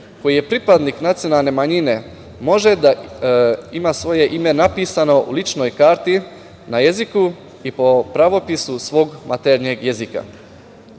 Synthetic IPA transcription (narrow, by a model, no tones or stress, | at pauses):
ko̞jije̞pɾipad̪niːknat̪sijo̞nalˠne̞maɲine̞ | mo̞ʒe̞d̪a | imaːsʋo̞je̞ʔime̞napiːsano̞ṵlit͡ʃno̞jkaːɾt̪i | naje̞ziku | ipopɾaʋo̞pisusʋo̞ɡmʔat̪eɾɲeɡje̞zika̰